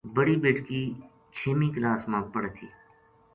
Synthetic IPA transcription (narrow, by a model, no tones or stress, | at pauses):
bəɽiːbeːʈkiː | t͡ʃʰeːmiːklaːsmãːpəɽt̪ʰiː